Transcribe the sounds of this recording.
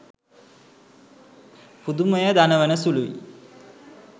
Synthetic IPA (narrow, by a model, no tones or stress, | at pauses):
pud̪uməjəd̪anəʋənəsuluʋḭ